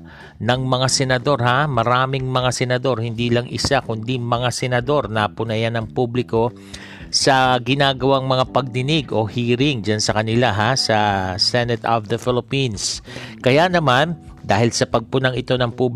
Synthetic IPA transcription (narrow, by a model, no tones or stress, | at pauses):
nɐŋmɐŋasɛnɐd̪o̞ɾhamɐɾaːmɪŋmɐŋasɛnɐd̪o̞ɾhɪnd̪iːlɐŋʔɪ̰sakʊnd̪imɐŋasɛnɐd̪o̞ɾnɐpʊnɐjanɐŋpublɪko̞ | sɐɡɪnaːɡɐwaŋmɐŋapɐɡ̚d̪ɪnɪɡo̞hiːɾɪŋd͡ʒansɐkɐnɪlaɦasɐsɛnɛt̪ovd̪ɐfɪlɪpinskɐjanɐmand̪aːhɪlsɐpɐɡ̚pʊnaŋɪt̪o̞nɐŋpub